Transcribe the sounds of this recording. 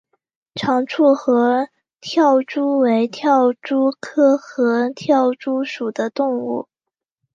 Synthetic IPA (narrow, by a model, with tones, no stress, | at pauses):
ʈ͡ʂʰɑ˧˥ŋʈ͡ʂʰu˥˩xɤ˧˥ | t̪ʰjɑ˥˩ʊʈ͡ʂu˥we˧˥ɪt̪ʰjɑ˥˩ʊʈ͡ʂu˥kʰɤ˥xɤ˧˥t̪ʰjɑ˥˩ʊʈ͡ʂu˥ʂu˨˩d̪ə˦t̪ʊ˥˧ŋu˥˩